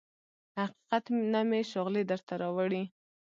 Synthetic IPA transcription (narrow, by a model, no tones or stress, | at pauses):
haqi̥qat̪nameʃʊɣled̪əɾt̪aɾɑwaɽi